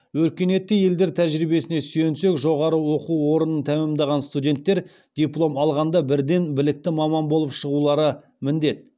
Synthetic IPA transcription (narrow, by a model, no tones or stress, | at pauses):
wɵɾkʲe̞ne̞t̪ːɪje̞ld̪e̞ɾt̪ʰæʒɾibe̞sɪnesyje̞nse̞kʒo̞ʁɑɾəwo̞quwo̞ɾənənt̪ʰæmɪmd̪ɑʁɑnst̪udʲe̞nt̪ːe̞ɾ | d̪̥ʲijplˠo̞mɑlˠʁɑnd̪ɑbɪɾd̪e̞nbɪlɪk̚t̪ɪmɑmɑnbolˠəpʃəʁulˠɑɾə | mɪnd̪e̞t̪̚